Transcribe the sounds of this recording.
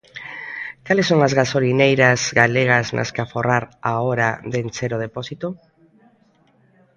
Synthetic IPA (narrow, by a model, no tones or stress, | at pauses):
kalesːoŋazɣasolinejɾɐzɣaleɣ̞ɐznʔa̰skaforaɾaoɾaðent͡ʃeɾoð̞epɔsit̪o